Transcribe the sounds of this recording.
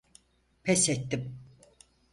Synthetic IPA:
pʰɛsɛt̪ːim

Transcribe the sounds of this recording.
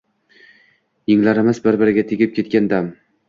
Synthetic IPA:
jɪŋlaɾɪmɪzbɪɾbɪɾɪɡʲat̪ʰeɡʲɪp̚kʲʰe̞t̪̚kʲand̪am

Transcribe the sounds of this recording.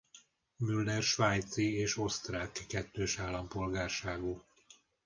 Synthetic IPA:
mylːɛrʃʋaːjt̪sieːʃo̞st̪raːkkɛt̪ːøːʃaːlːɒmpo̞lɡaːrʃaːɡu

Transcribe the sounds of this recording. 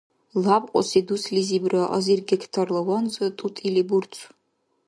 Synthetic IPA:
labqʷʼɔ̰sid̪uslizibɾaʔɐzirɡɛkʰt̪ʰarlˠɔwanzɐt̪ʼut̪ʼiliburt͡sʰʼ

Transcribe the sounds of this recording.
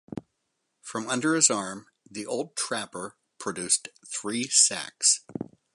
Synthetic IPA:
fɹʌ̃mʌ̃ndə˞ɨzɑɹm | ðiʔoʊlˠd̚tʰɹ̥æpə˞ | pʰɹ̥ɨdʉsθɹisæ̰ks

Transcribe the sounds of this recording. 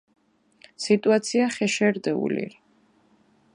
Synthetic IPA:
sit̪ʼuat̪sʰiaχɛʃɛɾd̪ɛṵlḭɾi

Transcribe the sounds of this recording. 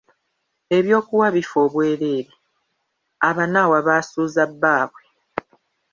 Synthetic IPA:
e̞βjo̞ːkuwaβifo̞ːβwe̞ːɾe̞ːɾe | aβanawaβaːsuːzabːaːβwe

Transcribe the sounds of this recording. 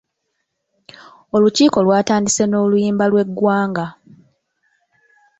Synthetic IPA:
o̞luciːko̞lwaːtaːndise̞no̞ːlujiːmbalwe̞ɡːwaːŋɡa

